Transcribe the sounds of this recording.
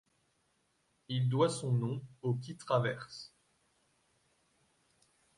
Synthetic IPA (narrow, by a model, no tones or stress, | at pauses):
ild̪wasɔ̃nɔ̃okʲit̪χavɛʁs